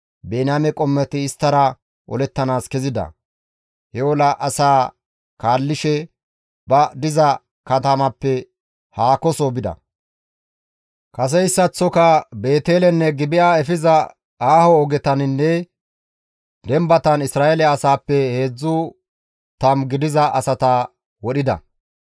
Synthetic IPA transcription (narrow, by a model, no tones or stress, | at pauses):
beːnamɛkʼɔmːɛt̪ɪːst̪ːɐɾɐ | ʔɔ̰lɛt̪ːɐnaːskɛzɪd̪ɐ̰ | hɛwɔlɐʔɐsaː | kaːlːɪʃɛ | bɐd̪ɪzɐ | kɐt̪ɐmɐpːɛ | haːkɔsobɪd̪ɐ̰ | kɐs̬ɛɪsːɐt͡sːɔkɐbe̞ːt̪e̞ːlɛnːɛɡɪbɪʔaːɛfɪzɐ | aːhɔːɡɛt̪ɐnɪnːɛ | d̪ɛmbɐt̪ɐnɪsɾaːelɛɐsaːpːɛhe̞ːd͡zːʊ | t̪ɐmɡɪd̪ɪzɐʔɐsɐt̪aː | wɔɗɪd̪ɐ̰